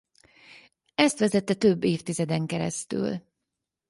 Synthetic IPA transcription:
ɛst̪ʋɛzɛt̪ːɛt̪øbːeːft̪izɛd̪ɛŋkɛɾɛ̰st̪y̰l

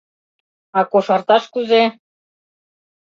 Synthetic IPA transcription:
ɑkoʃɑrt̪ɑʃkuze

